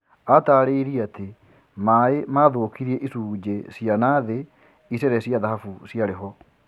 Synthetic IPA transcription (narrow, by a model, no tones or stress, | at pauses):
ataːɾeiɾiate | maemaðoːkiɾiɛʔisuːd͡ʑesjanaðe | isɛɾɛsjaðaɦafusjaɾeɦɔ